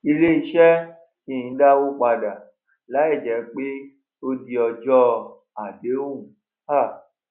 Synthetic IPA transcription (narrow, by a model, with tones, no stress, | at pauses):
i˧le˦i˧˦ʃɛ˦ | tĩ˧˨ĩ˨˦da˦wo˦k͡pa˧da˨ | la˨˦i˦˨d͡ʒɛ˨˦k͡pe˦ | o˧di˧ɔ˧d͡ʒɔ˦ | a˨de˨˦wũ˦˨ | a˦˨